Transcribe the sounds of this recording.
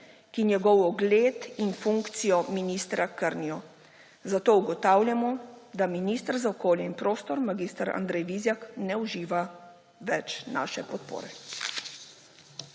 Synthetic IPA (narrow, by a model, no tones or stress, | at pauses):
kinjɛɡɔwɔɡleːt̪infuŋkt̪sijɔminiːst̪ɾʔakəɾniɔ | zat̪oːuɡɔt̪aːwljamɔd̪aminiːst̪əɾzaɔkoːljɛinpɾoːst̪ɔɾmaɡiːst̪aɾa̰nd̪ɾɛjʋiːzjaknɛuʒiːʋa | ʋɛt͡ʃna̰ːʃɛpɔt̪̚po̰ːɾɛ